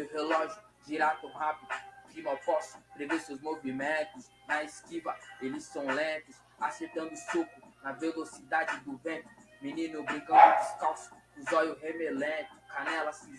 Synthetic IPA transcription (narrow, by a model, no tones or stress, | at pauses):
ewɦelɔʒʊ | d͡ʒiɾat̪ɐ̃hapid̪ʊd͡ʒimawpɔsʊ̥pɾevesewzmovimẽnt̪ʊs | nɐeskivɐelɪsːɐ̃w̃lẽt̪ʊs | aseɾt̪ɐ̃nd̪ʊsukʊnɐvelosid̪ad͡ʒɪd̪ʊvẽpʊ | mĩnĩnʊbɾĩŋkããd͡ʒ̪iskawsʊ̥kũzɔjʊɦemelẽt̪ʊ̥kanɛlɐsi